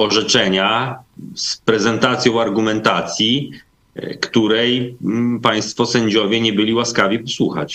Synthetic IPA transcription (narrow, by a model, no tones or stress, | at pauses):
ɔʐɛt͡ʂɛɲa | spɾɛzɛnt̪at̪sʲjɔ̃w̃aɾɡumɛnt̪at̪sʲji | kt̪uɾɛjpaj̃st̪fɔsɛɲd͡ʑɔvʲjɛɲɛbɘlʲiwaskavʲipɔswuxa̰t͡ɕ